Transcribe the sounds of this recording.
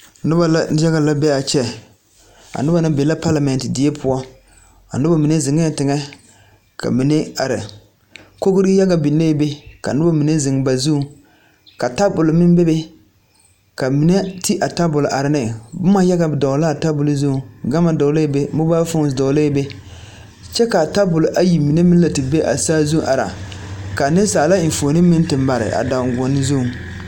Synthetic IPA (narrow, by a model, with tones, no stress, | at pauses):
nʊ˦ba˨la˨˦a˦ɣa˨la˦bɛ˦a˨t͡ʃɛ˦ | a̰˨nʊ˦ba˨nɪ˦be˨la˦pa˦la˨mɛ˨n˨tɪ˨dɪ˨˦e˦pʰʊ˦ɔ˦ | a̰˨nʊ˦ba˨mi˨ne˦zɪ˨ŋ˦ɛ˦˨tɪ˨ŋɛ˦ | kʰa̰˨mi˨ne˦a˨ɾɪ̰˨ | ko˦ɡʊ˦ɾi˦ja˦ɡa˨bi˨nːe˦be˦ka˨nʊ˦ba˦mi˨ne˦zɪ˨ŋ˨ba˨zu˦˨ | ka˨ta˦bʊ˨lmɪ˦m˦be˦be˦ | ka˨mi˨ne˦ti˦ʔa˨ta˦bʊ˨lʊ˨ʔa˨ɾɪ˨nɪ˨bʊ˦ma˦ja˦ɡa˨bɪ˨dɔ˨la˦˨ta˦bʊ˨lzu˦˨ɡa˦ma˨dɔ˨˦le˦be˦mʊ˦baː˦fʊ˦ŋ˨dɔ˨˦le˦be˦ | t͡ʃɛ˦ka˨ta˦bʊ˨lʊ˨ʔa˦ji˨mi˨ne˦mɪ˦n˦la˨ti˨be˦ʔa̰˨saː˦zu˦ʔa˨ɾa̰˨ka˨nɪ˦saː˨la˦n̩˨fo˨nɪ˦mɪ˦n˦tɪ˨mba˨ɾɪ̰˨ʔa̰˨da˨ŋ˨ɡʊ˨nːɪ˦zu˦˨